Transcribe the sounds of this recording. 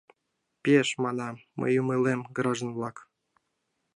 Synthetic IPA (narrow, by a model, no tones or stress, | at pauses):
pʲieʃmɑnɑːə̰jumɯlemɡɾɑʒənvlɑk